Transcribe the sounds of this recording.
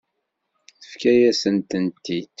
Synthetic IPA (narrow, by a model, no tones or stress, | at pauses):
θəfkæjæsənt̪ənt̪ːid̪